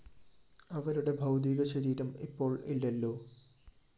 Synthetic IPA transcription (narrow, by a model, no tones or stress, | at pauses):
ɐʋɐɾuɽe̞bʱɐwd̪iɣɐɕɐɾiːɾɐmipːo̞ːɭilːɐlːo̞ː